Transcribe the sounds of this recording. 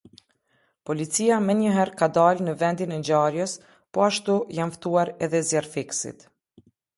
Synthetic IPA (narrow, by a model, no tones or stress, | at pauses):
pɔlit͡siamɛɲəɦɛɾkad̪alnəvɛnd̪inɛd͡ʑaɾjəs | pɔaʃt̪ujanft̪uaɾɛðɛzjɛɾfiksḭt̪